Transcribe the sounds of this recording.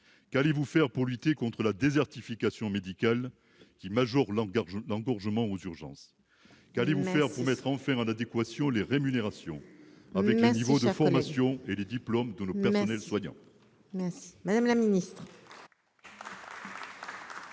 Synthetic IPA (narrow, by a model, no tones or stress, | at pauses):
kalevufɛʁpuʁlyt̪ekɔ̃t̪χəlad̪ezɛʁt̪ifikasjɔ̃med̪ikal | kʲimaʒɔʁlɑ̃ɡɔʁʒəmɑ̃ozyʁʒɑ̰̃s | kalevufɛʁpuʁmɛt̪χɑ̃fɛ̃ɑ̃nad̪ekwasjɔ̃leʁemyneʁasjɔ̰̃avɛklenivod̪əfɔʁmasjɔ̃eled̪iplɔmd̪ənopɛʁsɔnɛlswaɲɑ̰̃ | msmad̪amlaminist̪χ